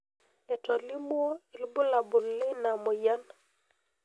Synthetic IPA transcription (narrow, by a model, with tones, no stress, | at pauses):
ɛ˨tɔ˨li˦m˦ɔ˦i˨lbu˦la˨bu˨lːi˦na˨mɔ˨ja˦n